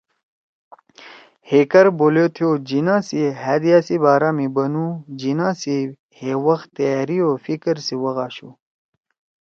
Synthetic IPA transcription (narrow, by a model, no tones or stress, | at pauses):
hekɐɾbolot̪ʰjoːd͡ʑinãːsiɦæd̪ijasibaːɾaːmibɐnũd͡ʑinãːsi | hewɐxt̪ɐaːɾioːfikəɾsiwɐɣaːɕu